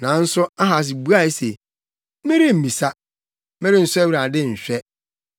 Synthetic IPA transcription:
nã˨n̩˦sʊ˦a˦ɦa˨s̬ɪ˨bu˦a˦˨˦se˨˦ | mẽ˦ɾi˦m̩˨mĩ˨sa˦ | mẽ˦ɾɪ˦n̩˨sʊ˦a˦wi˦ɾa˨dɪ˦˨ɕᶣɛ˦

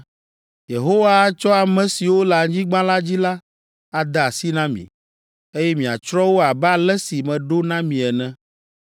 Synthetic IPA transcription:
je˨ɦo˦wa˦t͡ʃɔ˦a˨mɛ̃˨si˨wo˦la˨ɲĩ˦ɡ͡bã˦la˦d͡ʑi˦la˦ | a˨d̪a˦˨a˨si˦nã˦mḭ̃˨ | e˦jɛ˦mĩ˨a̰˨t͡ʃɾɔ˦wo˦a˨ba˦˨lɛ˦si˨mɛ̃˨ɖo˦nã˦mĩ˨ɛ˨nɛ̃˦

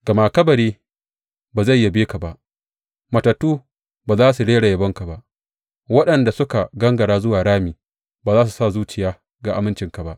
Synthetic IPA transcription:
ɡ̥ɐ˨maː˨kɐ˦bɐ˨ɾeː˦ | baː˨za˦˨jːa˦beː˦ka˨ba˨ʔ | mɐ˨tɐ˨tːuː˦ | baː˨zaː˦su˨ɽeː˦ɽa˨jɐ˨bɐ˦ŋka˨ba˨ʔ | wɐ˦ɗɐ˨nda˨sʊ˦ka˨ɡɐ˦ŋɡɐ˨ɽaː˦zʊ˦waː˨ɽaː˦miː˨ | baː˨zaː˦su˨sa˦˨zuː˦t͡ʃɪ˨jaː˦ | ɡa˨ʔa˨mɪ˦nt͡ʃɪ˨ŋka˨ba˦ʔ

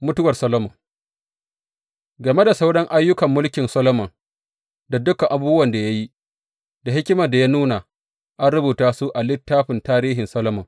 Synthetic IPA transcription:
mʊ˦tʊ˦wɐ˨rsɐ˦loː˦mɔ˨ŋ | ɡɐ˨me˦da˨sa˦wɽɐ˦ŋʔa˦jːʊ˦kɐ˨mːʊ˦lkʲɪ˨nsɐ˦lo˦mɐ˨ŋ | da˨dʊ˦ka˨ʔa˨buː˦bʊ˦wɐ˨nda˨ja˦ji˦ | da˨hɪ˦kʲɪ˦ma˨da˨jaː˦nuː˦na˨ | ʔa˦nɽʊ˦buː˨taː˦su˦ʔa˨lɪ˦tːaː˦ɸɪ˨ntaː˦ɾiː˦ɦɪ˨nsɐ˦lo˦mɐ˨ŋ

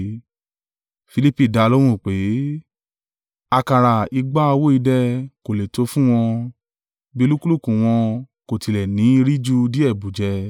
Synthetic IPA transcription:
fi˧li˦pi˦˨da˧lo˦ɾ̃ũ˦˨k͡pe˨˦ | a˧ka˧ɾa˨i˧ɡ͡ba˦a˧wo˦i˧dɛ˧ko˨le˨to˨˦fũ˦w̃ɔ̃˧ | bi˦o˧˦lu˦ku˦lu˦˨kũ˨w̃ɔ̃˧ | ko˨ti˧lɛ˨nĩ˨˦˧ɾi˦d͡ʒu˦di˦ɛ˦˨bu˨d͡ʒɛ˧

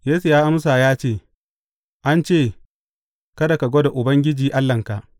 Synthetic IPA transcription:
jeː˦su˨jaː˦ʔa˦m˦s̬aː˨jaː˦t͡ʃeː˦˨ | ʔa˦nt͡ʃeː˦˨ | kɐ˦da˨ka˨ɡʷo˦da˨ʔʊ˨bɐ˦ŋɡʲɪ˦d͡ʒiː˨ʔa˦lːɐ˨ŋka˨ʔ

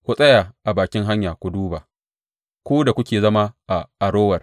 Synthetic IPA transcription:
kʷu˨sʼɐ˦jaː˨ʔa˨baː˨kʲɪ˦ŋɦa˦ɲjaː˨kʷu˨duː˦baː˨ | kʷuː˦da˨kʷʊ˦kʲeː˨zɐ˦ma˦ʔa˨ʔa˨ɽoː˦wɐ˨r

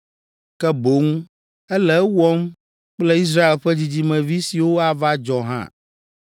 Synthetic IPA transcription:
kɛ˦bo˨˦ŋũ˦ | ɛ˦lɛ˦wɔ˦m | k͡plɛ˦i˦s̬ɾa˦e˨lɸɛ˦d͡ʑi˦d͡ʑi˨˦mɛ̃˨vi˦si˨wo˦a˨va˦d͡ʒɔ˨ɦã̰˦˨

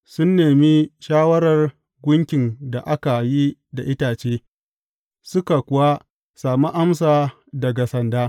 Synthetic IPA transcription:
sʊ˦nːeː˨mi˦ʃaː˦wɐ˦ɾɐ˨r | ɡʷʊ˦ŋkʲɪ˨nda˨ʔa˦ka˨ji˦da˨ʔɪ˦taː˨t͡ʃeː˦ | sʊ˦ka˨kʷʊ˨wa˦ | saː˨mu˦ʔa˦ms̬aː˨ | dɐ˨ɡa˨sɐ˨ndaː˦

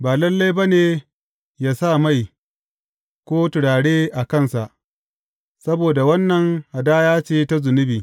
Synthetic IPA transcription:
baː˨lɐ˦lːa˦jba˦neː˨ | jaː˨sa˦˨ma˦˨j | kʷoː˦tʊ˨ɽaː˨ɽeː˦ʔa˨kɐ˦˨nsa˨ʔ | sɐ˦boː˨da˨wɐ˦nːɐ˨ŋha˨daː˦jaː˦t͡ʃeː˦˨ta˦zʊ˨nɪ˦biː˨

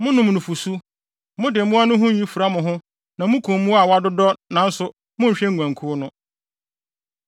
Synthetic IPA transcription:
mʊ̃˦nʊ̃˨mnʊ̃˨fu˨su˦ | mʊ̃˦dɪ˨mũ˦a˦nʊ̃˦ɦʊ̃˦ji˦fu˨ɾa˦mʊ̃˨ɦʊ̃˦ | nã˨mʊ̃˦kʰũ˨m˦mũ˦a˨wa˦dʊ˦dɔ˦nã˨n̩˦sʊ˨ | mʊ̃˦˨ɕᶣɛ˦ŋ̩˨ɡʷã˨ŋkʰʊ˦nʊ̃˦

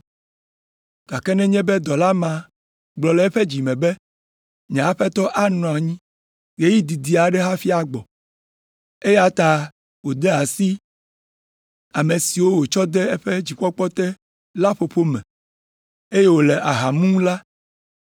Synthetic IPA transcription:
ɡ̥a˨kɛ˦nɛ̃˦ɲɛ̃˦bɛ˦d̪ɔ˨la˦mã˨ | ɡ͡blɔ˨lɛ˨ɛ˦ɸɛ˦d͡ʑi˨mɛ̃˨bɛ˦ | ɲɛ̃˨a˦ɸɛ˦t̪ɔ˦ʔa˦nɔ̃˨a˨ɲĩ˦ | ɣe˦ji˦d̪i˨d̪i˨a˨ɖɛ˦ɦa˦fi˦a˨ɡ͡bɔ˨ | e˦je˦a˨t̪a˨ | wo˨d̪ɛ˦a˨si˦ | a˨me˨si˨wo˦wo˨t͡ʃɔ˦d̪ɛ˦ɛ˦ɸɛ˦d͡ʑi˨ɸɔ˦k͡pɔ˦t̪ɛ˦ | la˦ɸo˨ɸo˦mɛ̃˨ | e˦je˦wo˨lɛ˨ʔa˨ɦa˨mũ˦la˦

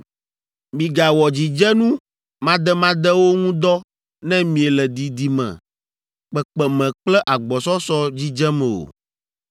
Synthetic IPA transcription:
mĩ˨ɡa˨wɔ˨d͡ʑi˨d͡ʒɛ˦nũ˦ | mã˦d̪ɛ˦mã˦d̪ɛ˦wo˦ŋũ˦d̪ɔ˦ | nɛ̃˦mĩ˨e˨lɛ˨d̪i˨d̪i˨mɛ̰̃˨ | k͡pɛ˨k͡pɛ˨mɛ̃˨k͡plɛ˦ʔa˨ɡ͡bɔ˨sɔ˦sɔ˦d͡ʑi˦d͡ʒɛ˦mɛ̃˨o̰˨

